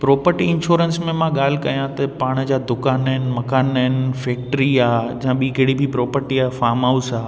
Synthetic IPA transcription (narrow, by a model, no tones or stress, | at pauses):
pɾɔːpəɾʈiɪ̃nʃoːɾənsmẽmãɠaːl̤ɪkɐjãt̪ɐpaːɽ̃ə̆d͡ʑaːd̪ʊkaːnəɪnɪ̆mɐkaːnaɪnɪ̆fɛːk̚ʈɾiaːɦed͡ʑɐ̃ɦãɓĩkɐːɽibʱɪpɾɔːpəɾʈiaːfaːɾmaːusaː